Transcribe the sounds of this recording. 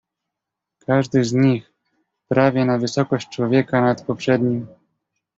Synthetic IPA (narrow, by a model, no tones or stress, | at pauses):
kʰaʐd̪ɘzɲix | pɾavʲjɛnavɘsɔkɔɕt͡ɕt͡ʂwɔvʲjɛkanat̪pɔpʂɛd̪ɲim